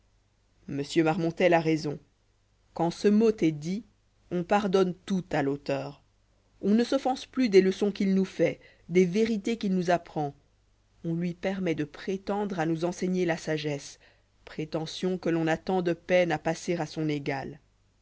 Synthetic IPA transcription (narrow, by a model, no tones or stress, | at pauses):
məsjømaʁmɔ̃t̪ɛlaʁezɔ̃ | kɑ̃səmot̪ɛd̪i | ɔ̃paʁd̪ɔnt̪ut̪alot̪œːʁ | ɔ̃nəsɔfɑ̃splyd̪ɛləsɔ̃kilnufɛ | d̪ɛveʁit̪ekilnuzapχɑ̃ | ɔ̃lɥipɛʁmɛd̪əpχet̪ɑ̃d̪ʁanuzɑ̃sɛɲelasaʒɛs | pχet̪ɑ̃sjɔ̃kəlɔ̃nat̪ɑ̃d̪əpɛnapaseʁasɔ̃neɡal